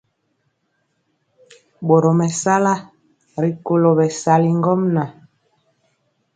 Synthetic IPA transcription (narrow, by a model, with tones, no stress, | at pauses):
bo˨ɾɔ˨mɛ˨sa˦la˦ | ɾi˨ko˦lo˨bɛ˨sa˨li˦ŋɡɔ˦mna˨